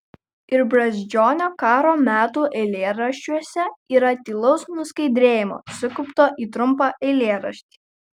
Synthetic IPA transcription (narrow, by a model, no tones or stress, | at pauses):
ɪɾbɾɐzʲd͡ʒʲoːnʲoːkɑːɾoːmʲæːt̪uːʔɛɪlʲeːɾɐʃʲt͡ʃʲuɔsʲɛiːɾɐt̪ʲiːlˠɒʊsnʊskɐɪd̪ʲɾʲeːjɪmo̰ːsʊkʊpt̪oːʔiːt̪ɾʊmpɑʔɛɪlʲeːɾɐʃʲt̪ʲiː